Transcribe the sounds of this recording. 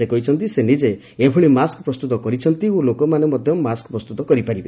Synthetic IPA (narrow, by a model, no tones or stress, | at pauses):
ekɔɦit͡ʃʰɔnt̪isenid͡ʒe | ebʱuɭimaskpɾɔst̪ut̪ɔkɔɾit͡ʃʰɔnt̪iolokɔmanemɔd̪ʱjɔmaskpɾɔst̪ut̪ɔkɔɾipaɾibe